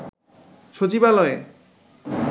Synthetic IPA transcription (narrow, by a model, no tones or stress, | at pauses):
ʃot͡ɕibalɔe